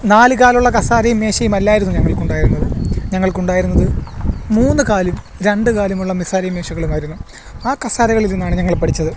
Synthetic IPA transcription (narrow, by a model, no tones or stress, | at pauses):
naːlɨkaːluɭːɐkɐsaːɾɐjumːe̞ːɕɐjumɐlːaːjiɾunːuɲɐŋːɐɭkuɳɖaːjiɾunːɐðɨɲɐŋːɐɭkuɳɖaːjiɾunːɐðɨmuːnːɨkaːlum | ɾe̞ɳɖɨkaːlumuɭːɐmisaːɾɐjumːe̞ːɕɐɣɐɭumaːjiɾunːu | aːkɐsaːɾɐɣɐɭilinːaːɳɨɲɐŋːɐɭpɐʈʰit͡ɕːɐðɨ